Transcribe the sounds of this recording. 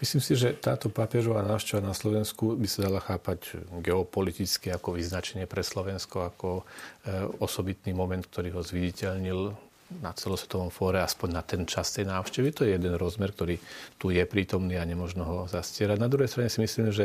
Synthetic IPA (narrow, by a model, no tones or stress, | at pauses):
misliːmsiʒɛt̪aːt̪ɔpapɪɛɾɔʋaːnaːʊʃcɛʋanaslɔʋɛnskubisad̪alaxaːpaɟɡɛɔpɔlit̪it͡skiakɔʋiznat͡ʃɛɲɪɛpɾɛslɔʋɛnskɔakɔ | ɔsɔbit̪nimɔmɛnt̪̚k̚t̪ɔɾiːɦɔzʋiɟɛcɛʎɲil | nat͡sɛlɔsʋɛ̥t̪ɔʋɔmfɔːɾɛaspɔɲnat̪ɛnt͡ʃast̪ɛjnaːʊʃcɛʋit̪ɔjɛjɛd̪ɛnɾɔzmɛɾk̚t̪ɔɾiːt̪ujɛpɾiːt̪ɔmniːaɲɛmɔʒnɔɦɔzascɪɛɾaɟnad̪ɾuɦɛjst̪ɾaɲɛsimisliːmʒɛ